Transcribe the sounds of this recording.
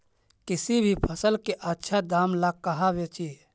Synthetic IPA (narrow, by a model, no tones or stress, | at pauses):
kɪsibʱipʰəsəlkeʔətːʃʰad̪aːmlakəɦaʋet͡ʃi